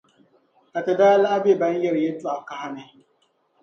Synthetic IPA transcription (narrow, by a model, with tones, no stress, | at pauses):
a˨ta˨da˦la˦a˦be˦˨ba˦n̩˦je˦ɾje˦tu˦a˨ka˦ɦa˦ne˦